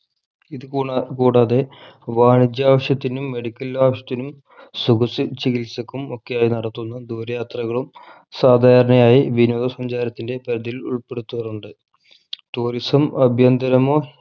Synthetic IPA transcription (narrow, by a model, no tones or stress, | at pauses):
iðɨkuːkuːɽaːðe̞ʋaːɳid͡ʑjaːʋɐɕjɐt̪ːinumːe̞ɽikʲːɐlaːʋɐɕjɐt̪ːinum | suɡɐsɨt͡ɕikilsɐkːumo̞kːejaːjinɐɽɐt̪ːunːɐd̪uːɾɐjaːt̪rɐɣɐɭum | saːd̪ʱaːɐɾɐɳɐjaːjiʋinoːðɐsɐɲd͡ʑaːɾɐt̪ːinde̞pɐɾɐðiilṵɭpe̞ɽut̪ːupɐrnːɐɖɨ | t̪uːɾisɐmɐbʱjɐnd̪ɐɾɐmoː